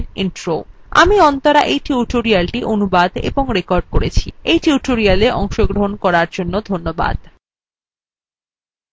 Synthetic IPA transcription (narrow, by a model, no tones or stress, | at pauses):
ninʈɾo | a̰miɔnt̪oɾaʔejʈuʈoɾialʈiʔonubad̪ḛboŋɾekoɾɖ̚koɾet͡ɕʰḭejʈuʈoɾialeʔɔŋʃoɡɾoɦonkɔɾaɾd͡ʑonːod̪ʱonːoba̰d̪